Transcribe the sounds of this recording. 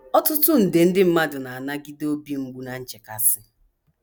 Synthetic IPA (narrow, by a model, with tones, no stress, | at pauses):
ɔ˦tʊ˦tʊ˦n̩˨dɪ˨n̩˦dɪ˦m̩˦ma˦dʊ˨na˨a˨na˦ɡi˦do˦bi˦ŋ͡m̩˦ɡ͡bu˦na˨n̩˦t͡ʃe˨ka˨sɪ˦